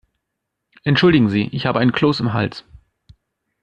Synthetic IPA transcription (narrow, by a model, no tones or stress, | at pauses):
ʔɛntʃʊldɪɡŋ̩ziːʔɪçhaːbəaɪnkʰl̥oːsɪmɦa̰ls